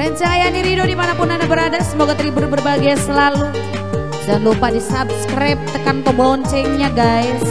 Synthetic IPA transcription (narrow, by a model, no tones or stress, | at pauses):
rɛnt͡ʃaŋajaniɾidodimanapʊnanabəɾadasəmoɡat̪əɾibərbərbaɡijasəlalu | salupadisab̚skɾajp̚t̪əkanpəmboɔnt͡ʃɛŋɲaɡajs